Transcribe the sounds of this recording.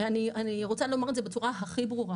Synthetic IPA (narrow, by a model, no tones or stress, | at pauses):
anianiʁo̞t͡salo̞maʁetzebet͡suʁaɦaχibʁuʁa